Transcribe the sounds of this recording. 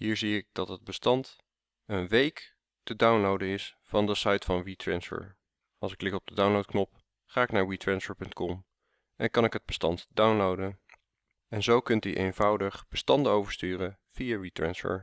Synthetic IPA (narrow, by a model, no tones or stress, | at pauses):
ɦiːɹziɪk̚d̥ɑtɦəd̚bəstɑnt | ənʋejk | tədawnlowdənɪs | fɑndəsɑjtfɑnɹitɹɛnsfə̰ɹ | ʔɑlˠsɪkːlɪkɔb̚dədawnlowt̚knɔp̚ | χaːɪknaːɹwitɹɛnsfəɹpɵntkɔm | ʔɛnkɑnɪkɦəd̚bəstɑ̰ntdawnlowdən | ɛnzowkɵntyʔḛjnvʌwdəχb̥əstɑndəowvəɹstyːrə | v̥ijaɹitɹɛ̰nsfə̰ɹ